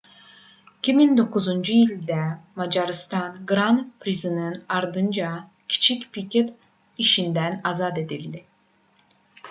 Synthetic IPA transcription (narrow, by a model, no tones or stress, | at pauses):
icʰʲimind̪o̞kuzund͡ʒujilʲd̪ɛmad͡ʒaɾɯst̪anɡɾanpʰɾizɯnɯnaɾd̪ɯnd͡ʒa | cʰi̥t͡ʃʰicpicʰet̪ | iʃind̪ænazad̪e̞d̪ilʲd̪i